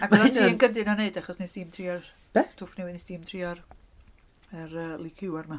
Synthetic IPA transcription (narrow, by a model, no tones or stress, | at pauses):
aɡ̥wɛðatʰiːənɡəndɨnɔneɨdaχɔsnesd̥iːmtʰriɔr | b̥ɛtʰʊfniwɪnisd̥iːmtʰriːɔr | əɾəːlˠikʰɪwarma